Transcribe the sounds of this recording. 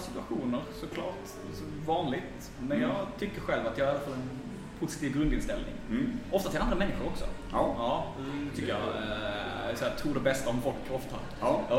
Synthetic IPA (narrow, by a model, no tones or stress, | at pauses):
sɪt̪ɵaɧuːnəɾsɔkʰlɑ̰ːʈ | sɔvɑːnlɪɡt̪ | mɛnjɑːɡt̪ʰʏkːəɾɧɛlvat̪jəɑhaɾjalːafalːɛn | pʰʊsɪt̪iːvɡɾɵnd̪ɪnst̪ɛlnɪ̰ŋɔft̪at̪ʰɪland̪ɾamɛnːɪɧʊɾɔksɔ̰ | ɑː | t̪ʏkːəjɑ̰ | sɔæːt̪ʰɾuːɖɛbɛst̪aɔmfɔlkʰːɔft̪a̰